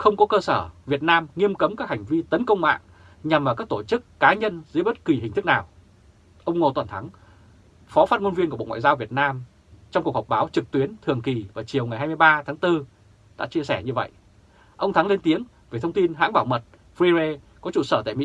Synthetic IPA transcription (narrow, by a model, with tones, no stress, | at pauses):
xə˧wŋ͡mkɔ˨˦kəː˧səː˧˩vi˨˩ət̚naː˧mŋi˧əmkə˨˦mkaː˦˥k̚ha˨˩ŋ̟vi˧t̪ə˨˦nkə˧wŋ͡mma̰ː˧˨ŋ | ɲa˨˩mʔaː˧˨˩kaː˦˥k̚t̪o˧˩t͡ɕɨ˦˥kːaː˨˦ɲə˧nzɨ̰˧˥ɓə˦˥t̚kwi˨˩ɦï̟˨˩t̪ʰɨ˦˥k̚naː˨˩w | ʔə˧wŋ͡mŋo˨˩t̪wə˨˩nt̪ʰa˨˦ŋ | fɔ˨˦faː˦˥t̚ŋo˧nvi˧nkɓo̰˧˨ŋwa̰ː˧˨jzaː˧wvi˨˩ət̚naː˧m | t͡ɕɔ˧ŋ͡mku˨˩əkhk͡p̚ɓaː˨˦wt͡ɕɨ˨˩k̚t̪wi˨˦ənt̪ʰɨ˨˩əŋki˨˩vaː˨˩t͡ɕi˨˩əwŋa˨˩jɦaː˧jm˧jɓaː˧t̪ʰaː˨˦ŋt̪ɨ˧ | ɗa̰ː˧˥t͡ɕi˧əsɛ˧˩ɲɨ˧və̰˧˨jʔ | ʔə˧wŋ͡mt̪ʰa˨˦ŋle˧nt̪i˨˦əŋ | ve˨˩t̪ʰwŋ͡mt̪i˧nɦa̰ː˧˥ŋɓaː˧˩wmə˨˩t̚ | fɾi˧ze˧ | kɔ˨˦t͡ɕṵ˧˨˩səː˧˩t̪a̰˧˨jmḭ˧˥